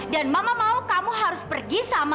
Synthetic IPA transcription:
danmamamaukamuɦaɾʊspərɡisama

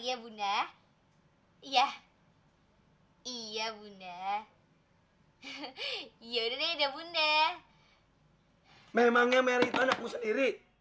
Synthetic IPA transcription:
ijabuna | ijah | ijabuna | ijaudanedabuna | memaŋɲameɾiit̪uanak̚musəndiɾi

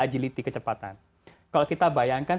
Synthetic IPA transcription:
ad͡ʒilit̪ikət͡ʃəpat̪a̰n | kalokit̪abajaŋkan

